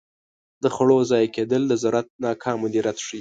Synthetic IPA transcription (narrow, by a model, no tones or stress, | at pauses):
d̪əxaɽozɑjked̪əld̪əzʊɾat̪̚nɑkʰɑmʊd̪eɾat̪ʂi